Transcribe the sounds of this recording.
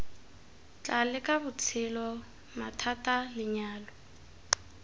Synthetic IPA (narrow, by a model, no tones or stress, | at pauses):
t͡ɬʼalɪkʼabʊt͡sʰɪlɔ | matʰatʼalɪɲaːlɔ